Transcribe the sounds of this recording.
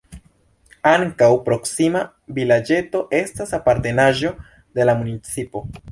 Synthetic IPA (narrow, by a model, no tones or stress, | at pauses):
aŋkawpɾo̞ksima | vilad͡ʒe̞to̞ʔe̞stasapaɾte̞naʒo̞ | de̞lamunit͡sipo̞